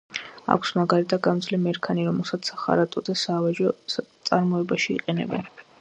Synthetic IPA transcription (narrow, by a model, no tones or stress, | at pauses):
a̰kʷʰsmaɡaɾit̪ʰad̪̚ɡamd̪zlɛmɛɾkʰaniɾɔmɛlˠsat̪sʰaχa̰ɾat̪ʼɔd̪asaːvaʒɔt̪sʼaɾmɔɛbaʃḭːqʼɛnɛ̰bɛ̰n